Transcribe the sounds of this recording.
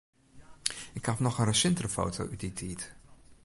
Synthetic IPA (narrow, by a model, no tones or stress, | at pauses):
ɪkhafnɔχənrəsɪntrəfo̰ːtʰo̰wʔytditʰiːt